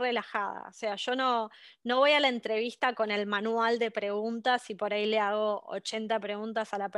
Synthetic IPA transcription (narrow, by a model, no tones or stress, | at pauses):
relaxaða̰ose̞aʒo̞no̞ | no̞βo̞jalaent̪ɾe̞βist̪ako̞ne̞lmanwald̪e̞pɾe̞ɣunt̪asipo̞ɾaile̞aɣo̞o̰t͡ʃe̞nt̪apɾe̞ɣunt̪asalap